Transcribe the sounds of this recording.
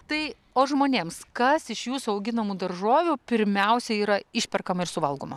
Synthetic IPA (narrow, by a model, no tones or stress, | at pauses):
t̪ɐɪ | oːʒmoːnʲeːmskɐsɪʃjuːsʊɐʊɡʲɪnɐmuːd̪ɐɾʒoːʋʲuːpʲɪɾʲmʲɛʊsʲɛiːɾɐɪʃʲpʲɛrkɐmɐɪɾsʊʋɐlˠɡoːmɐ